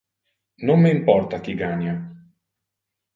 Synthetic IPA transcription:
nomːeimpɔrt̪ak̟iɡaːnja

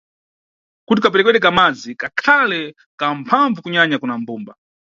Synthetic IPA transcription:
kut̬ikapɛɾɛk̬wɛɗɛk̬amad͡zikakʰalɛ | kampʰaɱvukuɲaɲakunam̩buːmba

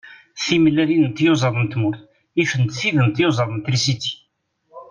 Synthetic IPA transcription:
θiməlːælinənt̪jozˤɑðˤənt̪muɾθ | ifənt̪θiðənt̪jozˤɑðˤənt̪ɾisit̪i̥

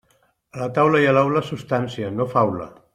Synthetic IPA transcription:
əlat̪awləialawlasust̪ansianofawlə̰

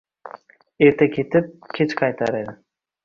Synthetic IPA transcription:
e̞ɾt̪ʰakʲʰe̞t̪ɪp̚kʲʰet͡ʃqʰɑjt̪ʰaɾe̞d̪ɪ

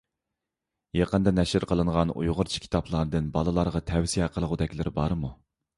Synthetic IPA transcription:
jɑqənd̪ɑnɛʃɪɾqʰəlˠɨɴʁɑnṵjʁʊɾt͡ʃʰi̥kʲʰi̥t̪ʰɑpʰlˠɑɾd̪ɨnbɑlˠɨlˠɑɾʁɑt̪ʰɛwsijɛqʰəlˠəʁʊd̪ɛkʲlɪɾɪbɑɾmu

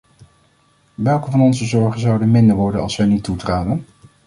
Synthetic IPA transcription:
ʋɛlˠkəvɑnɔnzəzɔɹχənzɑwdənmɪndəɹʋɔɹdənɑlˠsʋɛjnitːutraːdən

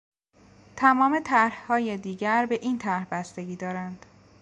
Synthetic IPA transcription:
t̪ʰæmɒːme̞t̪ʰæɾhhɒːjed̪iːɟæɾbe̞ʔiːnt̪ʰæɾhbæst̪e̞ɟiːd̪ɒːɾænd̪̥

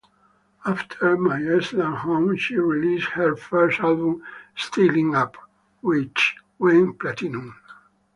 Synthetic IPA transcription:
aftʰə˞majɛslãnhõmʃiɹilishəɹfɜɹstalbũmstʰilĩŋap | wɪt͡ʃ | wɛ̃nplatinũn

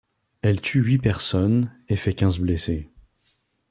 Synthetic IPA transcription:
ɛlt̪ʰyɥipɛʁsɔn | efɛkʲɛ̃zblese

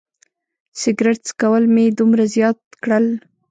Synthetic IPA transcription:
sɪɡɾɪʈskawəlmed̪umɾazjɑt̪̚kɽəl

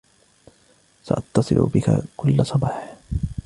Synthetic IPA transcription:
saʔɑt̪ːɑsˤɨlʔʊ̰bɪka̰kʊlːasˤɑbɑːħ

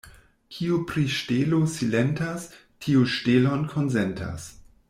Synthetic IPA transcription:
kʰiupɾiʃtelosilentas | tʰiuʃtelonkʰonzentʰa̰s

